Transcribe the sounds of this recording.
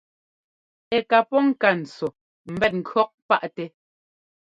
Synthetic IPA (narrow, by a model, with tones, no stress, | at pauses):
ɛ˨ka˨pɔ˦ŋ̩˦ka˨n̩˨t͡sɔ˨ | m̩˨bɛ˦˨t̚ŋ̩˨kʰɰɔ˦k̚pa˦ʔtɛ˨